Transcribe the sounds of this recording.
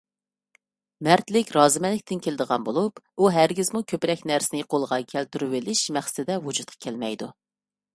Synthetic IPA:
mæɾt̪lɪkʲɾɑːzɨmɛlːɪkʲt̪ʰɪnkʲʰelɪd̪əʁɑ̰nbolˠupuɦæɾɡʲizmukʲʰøpɾɛk̚ʲnæɾsɪnɪqʰolˠʁɑkʲʰælt̪yɾuwɪlɪʃmæχst̪ɪd̪ɛwud͡ʒut̪̚qʰɑ̥kʲʰælmɛjd̪u

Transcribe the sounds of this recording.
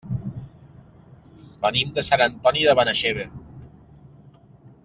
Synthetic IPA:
bənimd̪əsanənt̪ɔniðəβanaʃeβe

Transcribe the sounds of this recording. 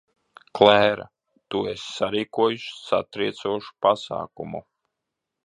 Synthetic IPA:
klɛɦɛɾa̰ | t̪uesːaɾiːkuɔjuʃsa̰t̪ɾiɛt̪suɔʃu̥pasa̰ːkumṵ

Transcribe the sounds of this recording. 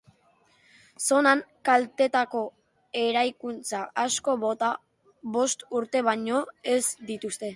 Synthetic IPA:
so̞naŋkalt̪e̞t̪ako̞ | e̞ɾajkunt͡saʔasko̞βo̞t̪a | βo̞st̪uɾt̪e̞βaɲo̞e̞zd̪it̪ust̪e̞

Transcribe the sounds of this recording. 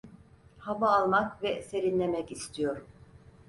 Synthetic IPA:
havaːlˠmakvɛse̞ɾinlʲe̞mɛcist̪ʰijo̞ɾ

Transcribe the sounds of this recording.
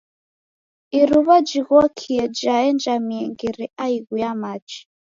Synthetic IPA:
iɾuβad͡ʒiɣɔkʰiɛd͡ʒaɛnd͡ʒamiɛŋɡiɾiaiɣujamat͡ʃi̥

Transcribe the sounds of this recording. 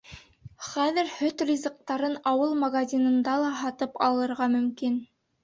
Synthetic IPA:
χæðɘɾhɵt̪rʲizəq̚t̪ɑɾɤnɑwɤlˠmɐɡazʲinɤ̆nd̪ɑlˠɑɦɑt̪ɤpɑlˠɤ̆ɾʁɑmɵ̆mkin

